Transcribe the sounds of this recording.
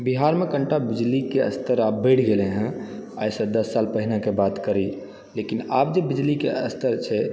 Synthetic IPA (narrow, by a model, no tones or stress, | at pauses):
biɦaɾmekəɳʈabid͡ʒlikeə̰st̪əɾap̚bəjʈʰɡeleɦɛ̃a̰jsə̃d̪əsːalpəɦinakebat̪kəɾi | lekinapd͡ʒebid͡ʒlikeəst̪əɾt͡ʃʰɛ